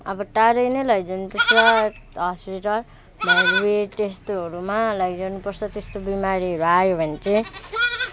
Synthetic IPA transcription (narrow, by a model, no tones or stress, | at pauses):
ʌbʌʈaɾʌjnʌjlʌɡid͡zʌnupʌrt͡sʰʌ | ɦʌspiʈʌl | bʱʌɾuweʈestɦʌɾumalʌɡid͡zʌnupʌrt͡sʰʌt̪est̪obimaɾiʌɾuajobʱʌnt͡sʌ̃